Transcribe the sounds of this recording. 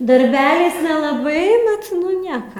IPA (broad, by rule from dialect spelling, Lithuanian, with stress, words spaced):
dɐrʲˈbʲæːlʲɛɪs nʲɛlˠɐˈbɐɪ ˈbʲɛt ˈnʊ ˈnʲiɛkɐ